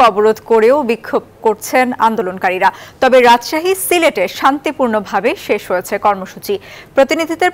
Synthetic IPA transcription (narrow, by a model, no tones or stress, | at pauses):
ɔboɾod̪ʱkoɾeobikʰːob̚koɾt͡ɕʰena̰nd̪olonkaɾiɾat̪ɔbeɾad͡ʑʃaɦisileʈeʃant̪ipuɾnobʱabeʃeʃɦojet͡ɕʰekɔɾmoʃut͡ɕipɾot̪inid̪ʱit̪eɾ